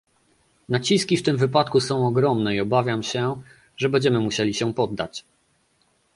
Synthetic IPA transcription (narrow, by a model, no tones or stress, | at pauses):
nat͡ɕiskʲift̪ɘmvɘpat̪kusɔ̃w̃ɔɡɾɔmnɛiɔbavʲjamɕɛ | ʐɛbɛɲd͡ʑɛmɘmuɕelʲiɕɛpɔd̪ːa̰t͡ɕ